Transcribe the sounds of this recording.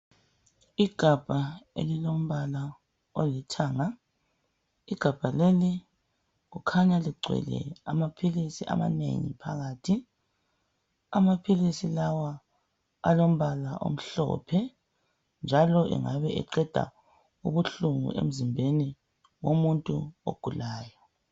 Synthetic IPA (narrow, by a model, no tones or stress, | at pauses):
iɡ̥ʱab̥ʱaḛlilom̩βala | o̰litʰaːŋa | iɡ̥ʱab̥ʱaleli | ɣukʰaɲaliɡ͡ǀʱwɛ̰lɛ̰amapʰilisiʔa̰ma̰nḛŋḭpʰaɣaːtʰi | amapʰilisilawa | alom̩βalaʔo̰m̩ɬɔ̰ːpʰɛ | nd͡ʒʱalɔʔɛ̰ŋaβɛʔɛ̰ǀɛd̥ʱa̰ | uβuɬuŋṵʔḛm̩zimbʱeni | womuntʼṵo̰ɡ̥ʱulaːjɔ